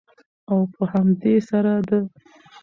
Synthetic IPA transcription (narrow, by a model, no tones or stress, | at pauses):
awpəhamd̪esaɾad̪ə